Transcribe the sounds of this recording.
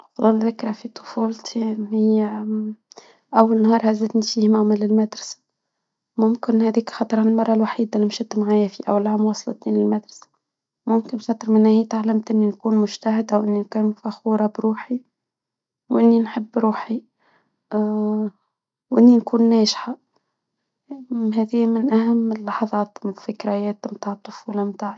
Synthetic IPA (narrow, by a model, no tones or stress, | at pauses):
fɑd̪ˤɑlðɪkɾɑfit̪ˤʊ̥fuːlt̪ʰiɪj | ʔawːalɪnhɑːɾˤhazɪd̪nifiːhmaʕmalɪlmad̪ɾˤɑsḁ | mʊmkɪnhæːd̪iːkxɑt̪ˤɾˤanɪlmɑrˤːɑlwaħiːd̪ælːimʃɪt̪ːmaʕaːjafiʔawlaamwɑsˤlɑ̰t̪iːnlɪlmad̪ɾˤɑ̥sḁ | mʊmkɪnxɑt̪ˤɾmɪnːæhiːt̪aʕlamt̪ʔɪnːinkuːnmʊʒt̪ahɪd̪awʔɪnːinkuːnfæxuːɾˤɑbɾuːħi | wʔɪnːinħəbːɾuːħi | wʔɪnːinkuːnːæːʃħa | ɦɛːðiːmɪnʔæhamːɪlːɑħɑðˤɑːt̪mɪfɪkɾajɛːt̪mt̪aːʕət̪ˤːʊfuːlɑmt̪aːʕ